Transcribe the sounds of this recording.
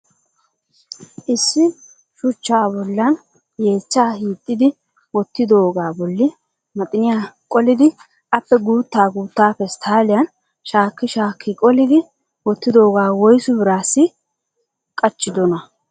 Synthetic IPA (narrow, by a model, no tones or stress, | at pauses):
ʔɪsːɪ | ʃʊt͡ʃːaːbɔlːɐn | je̞ːt͡ʃːaːhiːt̪ʼːɪd̪ɪ | wɔt̪ːɪd̪o̞ːɡaːbɔlːɪ | mɐt̪ʼɪnɪjakʼɔlɪd̪ɪ | ʔɐpːɛɡuːt̪ːaːɡuːt̪ːaːpɛst̪ʰaːlɪjɐn | ʃaːkːɪʃaːkʰːɪkʼɔlɪd̪ɪ | wɔt̪ːɪd̪o̞ːɡaːwɔjsʊbɪɾaːsːɪ | kʼɐt͡ʃːɪd̪ɔnɐ